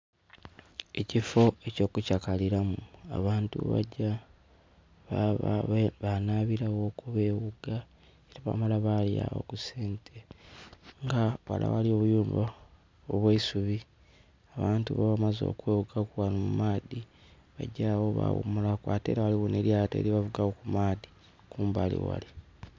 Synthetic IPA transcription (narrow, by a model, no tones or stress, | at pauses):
e̞cifo̞e̞co̞ːkucakaliɾamua̰βaːntṵβa̰ɟa | βanaβiɾaɣo̞kuβe̞ːβuɡa | eɾaβa̰malaβalja̰βo̰kuseːntʰe | ŋɡawa̰la̰walio̞βujuːmba | oβweisuβi | aβaːntuβaβamazo̰kweːβuɡakuwanumumaːdi | βaɟawoβa̰wṵmulakwaːtḛɾawaliwoneɾjatḛliβavuɡawokumaːði̥ | kuːmbalḭwa̰li